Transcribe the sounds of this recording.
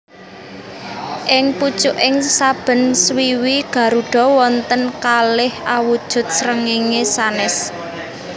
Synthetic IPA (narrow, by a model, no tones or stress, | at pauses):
ʔɪŋput͡ʃuʔɪŋsab̥ə̤nswiwiɡ̥ä̤ɾuɖ̥ɔ̤wɔnt̪ənkalɪhawud̥ʒ̥ʊ̤t̪̚sɾəŋiŋesanɪs